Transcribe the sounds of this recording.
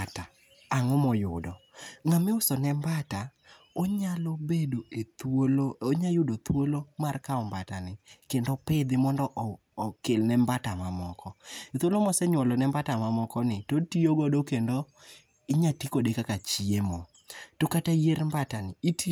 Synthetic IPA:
ta | aŋɔmɔjʊdɔŋamɪʊsɔnɛmbata | oɲalɔbedoet̪olooɲajʊdot̪wolomarkaɔmbatanɪkendɔpɪd̪ɪmɔndɔʔː | kelnɛmbatamamɔkɔet̪wolomɔsɛɲwɔlɔnɛmbatamamɔkɔnɪtotioɡɔdokendo | ɪɲatikodekakat͡ʃiemɔ | tokatajeɾmbatanɪit

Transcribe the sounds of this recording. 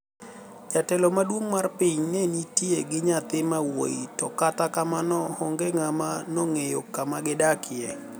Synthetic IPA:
d͡ʒatɛlɔmadwoŋmarpɪɲnɛnitjeɡɪɲat̪ɪmawo̰itɔkatakamanɔhɔŋɡɛŋamanɔŋejokamaɡɪdakʰɪɛ

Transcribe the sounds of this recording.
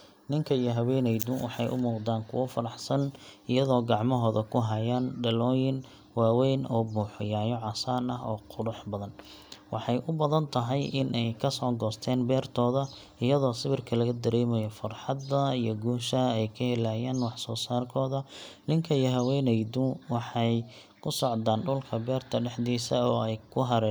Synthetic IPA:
nɪŋkʰɐijɔɦɐwɛːnɛjd̪ʊwɑħɑjʔʊ̰muːqd̪aːŋkʰʊ̰wɐfɐɾɑħsɐnɪjɐðɔːɡɑʕmɔɦɔːðɐkʰʊɦɐjaːnɖɐlɔːjɪn | waːwɛjnɔːmuːħʊjaːjɔʕɑsaːnɐɦɔ̰ːqʰʊɽʊħbɐðɐn | wɑħɑjʔʊbɐðɐnt̪ʰɐɦɛjɪnʔɛjkʰɐsɔːɡɔːst̪ʰɛːnbɛːrt̪ʰɔːðɐ | ɪjɐðɔːsɪβɪrkʰɐlɐɣɐd̪ɐɾɛːmɛjɔfɐrħɑd̪ɐijɔɡuːʃɐɛjkʰɐhɛlaːjɛːnwɑħsɔːsaːrkʰɔːðɐlɪŋkʰɐijɔɦɐwɛːnɛjd̪ʊwɑħɑj | kʰʊsɔʕd̪aːnɖʊlkʰɐbɛːrt̪ʰɐɖɛħd̪iːsɐɔːɛjkʰʊɦɐɾɛː

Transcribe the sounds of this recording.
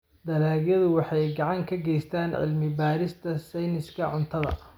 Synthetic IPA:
d̪ɐlaːɣjɐðʊwɑħɑjɡɑʕɑŋkʰɐɡɛjst̪ʰaːnʕɪ̰lmɪbaːɾɪst̪ʰɐsɛjnɪskʰɐʕʊnt̪ʰɐðɐ̰

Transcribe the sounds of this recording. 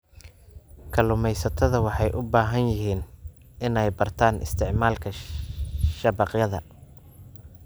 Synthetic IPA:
kʰɐlʊmɛjsɐt̪ʰɐðɐwɑħɑjʔʊbaːɦɐnjɪɦiːn | ʔɪnɛjbɐrt̪ʰaːnʔɪ̰st̪ʰɪʕmaːlkʰɐ | ʃɐbɐqjɐðɐ

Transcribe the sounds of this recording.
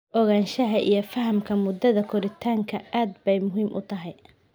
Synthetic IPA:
ʔɔɣaːnʃɐɦɐʔḭjɞfɐɦɐmkʰɐmʊd̪ɐðɐkʰɔɾɪt̪ʰaːŋkʰɐaːd̪bɛjmʊɦiːmʔʊ̰t̪ʰɐɦɛj

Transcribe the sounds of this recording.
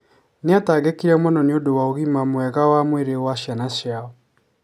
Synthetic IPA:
neataːɡekiɾɛmwɛnɔneodowaoɣimamwɛɣawamweɾewaɕjanaɕjaɔ

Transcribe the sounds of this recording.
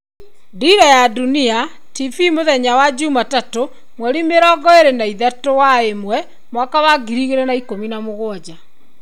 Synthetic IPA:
diɾɔjadunia | tivimoðɛɲawad͡ʑumatato | mwɛɾimeɾɔːɡɔeɾenaiðatowaemwɛ | mwakawaɡiɾiɣeɾɛnaikominamoɣwɔd͡ʑa

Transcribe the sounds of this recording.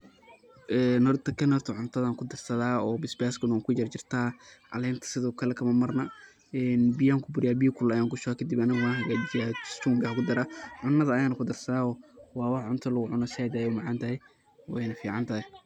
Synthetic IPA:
ʔɛːnɔrt̪ɐkʰɐnhɔrt̪ʰɐʕʊnt̪ʰɐðaŋkʰʊd̪ɐrsɐðaːɔːbɪsbaːskʊnːŋkʰʊd͡ʒɐrt͡ʃɪrt̪ʰaːʔɐ̰lɛːnt̪ʰɐ̥sɪðɔːkʰɐlɛkʰɐmɐmɐrnɐ | ɛːnbɪjaːŋkʰʊbʊɾɪjaːbiːkʰʊlɐjaːŋkʊʃɔkʰɐd̪ɪbɐnɪɣwaːnhɐɡad͡ʒaːɪ̥st̪uːŋɡɐkʊd̪ɐɾaːʕʊnːɐðɐːjaːnɐkʰʊd̪ɐrsɐðaːɔːwɑːwɑħʕʊnt̪ʰɐlɐɣʊʕʊnɔsɛːd̪aːjɛʊmɑʕɑːnt̪ʰɐɦɛj | wɛ̰jnɐfiːʕɑnt̪ʰɐhɛ

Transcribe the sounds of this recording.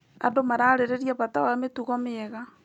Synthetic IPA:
a̰domaɾaːɾeɾeɾjaβatawametuɣɔmɪɛɣa

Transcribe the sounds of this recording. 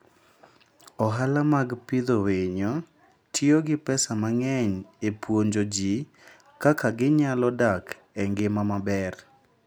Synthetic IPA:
ɔɦalamaɡpɪd̪oweɲɔ | tʰjoɡɪpɛsamaŋɛɲepwoɲd͡ʒod͡ʒi | kakaɡɪɲalɔdak | ɛŋɡɪmamabɛr

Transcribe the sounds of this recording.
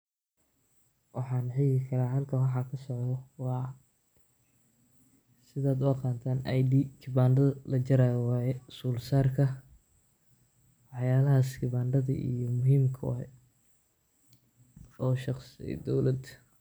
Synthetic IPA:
wʔɑħɑːnħɪɣɪkʰɐɾaːɦɐlkʰɐwɑħɑkʰɐsɔʕðɔwɑː | sɪðaːd̪ɔːqɑːnt̪ʰaːnɐjd̪iːkʰɪbaːnd̪ɐðlɐt͡ʃɐɾaːwaːjɛsuːlsaːrkʰɐ | wwɑħjaːlɐɦaːskɪβaːnɖɐðɐ̰ʔḭjɔmʊɦiːmkʰɐ̰ | ɔːʃɑqsɪɛ̰jd̪ɔwlɐd̪

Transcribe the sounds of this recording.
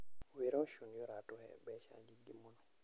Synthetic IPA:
weɾɔʃunjɔɾatʊhɛ̰bɛʃa̰ɲd͡ʒiɡimunɔ

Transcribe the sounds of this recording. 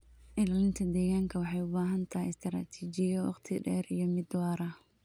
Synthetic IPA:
ʔɪlaːlɪnt̪ʰɐd̪ɛːɣaːŋkʰɐwɑħɑjʊbaːɦɐnt̪ʰɐɪst̪ʰɾa̰ːt̪ʰiːt͡ʃɪjɐwɑ̰qt̪ʰɪɖɛːɾijɞmɪd̪wɑːɾɐ

